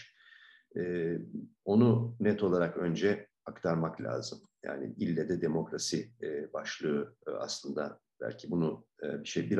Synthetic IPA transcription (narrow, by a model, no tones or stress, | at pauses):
ɛː | o̞nunɛt̪ʰo̞lˠaɾakø̞nd͡ʒɛ | akt̪ʰaɾmaklʲa̰ːzɯm | ja̰ːnɪ̰ilʲːɛd̪ɛd̪emo̞kɾasibaʃlˠɯɯa̰slˠɯnd̪a | b̥æ̰lʲcʰibunubiʃejbiɾ